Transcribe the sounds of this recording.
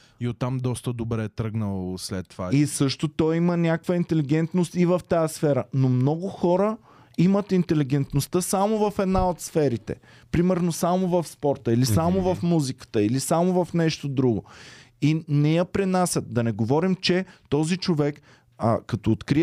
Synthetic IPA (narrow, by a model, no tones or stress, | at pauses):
iot̪ːamd̪ɔst̪əd̪obɾɛt̪ɾɤɡnəlˠoslɛt̪ːvaisɤʃt̪ot̪ɔimənʲakvəint̪ɛliɡɛnt̪nost̪ivɐft̪aəsfɛɾənomnɔɡʊxɔɾə | imət̪int̪ɛliɡɛnt̪nost̪əsamovɐfɛd̪naot̪sfɛɾit̪ɛ̰ | pɾimɛɾnosamovɐfspɔɾt̪əilisamovɐfmuzikə̥t̪əilisamovɐfnɛʃt̪od̪ɾuɡo | inɛjɐpɾɛnasʲət̪̚d̪ɐnɛɡovɔɾimt͡ʃɛt̪ɔzit͡ʃovɛk | kɐt̪oːt̪kɾi